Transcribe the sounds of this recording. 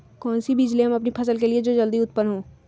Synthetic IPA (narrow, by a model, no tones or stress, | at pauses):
kɔːnsibid͡ʒliɦɐmɐpnipʰɐsəlk̬elied͡ʒoːd͡ʒɐld̪iʊt̪pənɦõː